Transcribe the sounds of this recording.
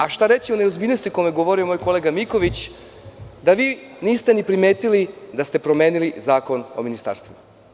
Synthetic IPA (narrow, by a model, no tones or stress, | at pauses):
aʃt̪aɾe̞t͡ɕioneozbiːʎʲnost̪iko̞jmeɡo̞ʋo̞ɾiomoːjko̞leːɡamiko̞ʋit͡ɕ | d̪aʋiːniːst̪enipɾime̞ːt̪ilid̪ast̪e̞pɾo̞me̞ːnilizaːko̞nominist̪a̰ːɾst̪ʋu